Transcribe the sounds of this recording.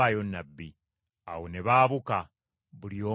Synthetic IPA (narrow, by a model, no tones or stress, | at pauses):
ajo̞nːabːi | awoneβaːβuka | βulio̞ː